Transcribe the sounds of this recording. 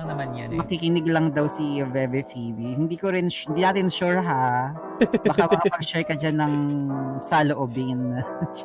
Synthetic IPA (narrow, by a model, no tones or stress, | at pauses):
nɐmanjamɐkikɪnɪɡlɐŋd̪ɐwsivɛbɛfibihɪnd̪iːkoɾɪnɪnd̪inaːt̪ɪnʃuɹɦa | bɐkamkɐpɐɡ̚ʃɛɹkɐd͡ʒanːɐŋsɐloʔobɪnʃ